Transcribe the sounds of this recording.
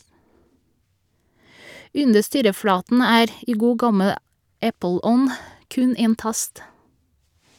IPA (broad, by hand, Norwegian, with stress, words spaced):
ˈʉndə ˈstyːɾəˌfɽɑːtn̩ ˈæːɾ ˈiː ˈɡuː ˈɡɑməl ˈæpəˌlɔn ˈkʉn ˈeːn ˈtɑst